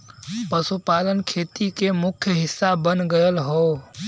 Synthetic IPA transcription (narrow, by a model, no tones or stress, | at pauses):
pəsupaːlənkʰeːt̪ikemʊkʰjəɦɪsːabənɡəjəlɦoː